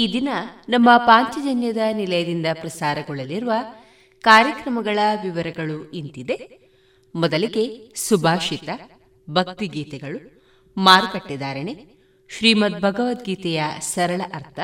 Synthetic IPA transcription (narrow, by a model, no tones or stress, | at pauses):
iːd̪inɐnɐmːɐpaːɲt͡ʃɐd͡ʒɐnjɐd̪ɐnilɐjɐd̪ind̪ɐpɾɐsaːɾɐɡɔɭɐliɾuʋɐ | kaːɾjɐkɾɐmɐɡɐɭɐʋiʋɐɾɐɡɐɭuint̪id̪e̞ | mɔd̪ɐliɡe̞subʱaːʃit̪ɐ | bʱɐkt̪iɡiːt̪ɛɡɐɭu | maːɾkɐʈːid̪aːɾɐɳe | ʃɾiːmɐt̪̚bʱɐɡɐʋɐt̪ɡiːt̪ɛjɐsɐɾɐɭɐʔɐɾt̪ʰɐ